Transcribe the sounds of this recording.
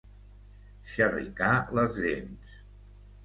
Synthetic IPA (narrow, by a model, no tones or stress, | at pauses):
ʃərḭkaləzʒens